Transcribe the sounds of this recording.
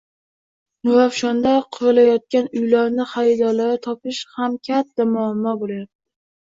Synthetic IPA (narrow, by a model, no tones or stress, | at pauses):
nʊvafʃɒnd̪aqʰʊɾɪlajɒt̪̚kʲanʊjlaɾnɪχajɪd̪ɒlaɾɪt̪ʰɒpɪʃhamkʲʰat̪ːamʊamːɒbolajap̚t̪ʰɪ̥